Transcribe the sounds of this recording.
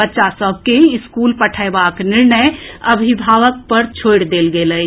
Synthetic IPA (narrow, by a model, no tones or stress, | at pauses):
ətːʃasəb̚ʱkeɪskulpəʈʰəɪbaknɪɾnəjəbʱibʱaʋək̚pəɾt͡ʃʰojɽd̪elɡeləj